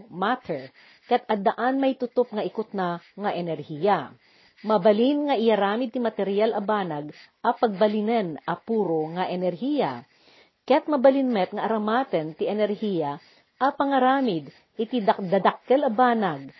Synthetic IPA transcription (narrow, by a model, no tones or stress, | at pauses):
mat̪ʰɛɹ | kɐjɐt̪̚ʔɐd̪ɐʔanmɐjt̪ʊt̪op̚ŋɐʔɪkʊt̪̚nɐŋɐʔɛnɛɾhijɐ | mɐbɐlinŋɐʔɪjɐɾaːmɪd̪̚t̪ɪmɐt̪ɛɾɪjalʔɐbaːnɐɡʔɐpɐɡ̚bɐlinɛnʔɐpuːɾoŋɐʔɛnɛɾhiːjɐ̰ | kɐjat̪̚mɐbɐlɪnmɛt̪̚ŋɐʔɐɾɐmaːt̪ɛnt̪ɪʔɛnɛɾhijɐ | ʔɐpɐŋɐɾaːmɪd̪ | ʔɪt̪id̪ɐd̪ɐd̪ak̚kɛlɐbaːnɐɡ̚